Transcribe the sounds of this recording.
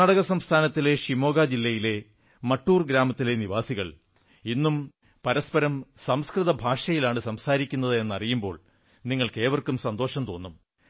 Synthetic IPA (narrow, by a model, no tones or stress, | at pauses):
aːɽɐɣɐsɐmst̪ʰaːnɐt̪ːile̞ʂimo̞ːɡaːd͡ʑilːɐjile̞ | mɐʈːuːrɡɾaːmɐt̪ːile̞niʋaːsiɣɐɭ | inːum | pɐɾɐspɐɾɐmsɐmskrɨðɐbʱaːʂɐjilaːɳɨsɐmsaːɾikʲːunːɐðɨe̞nːɐrijumbo̞ːɭ | niŋːɐɭke̞ːʋɐrkumsɐnd̪o̞ːʂɐmt̪o̞ːnːum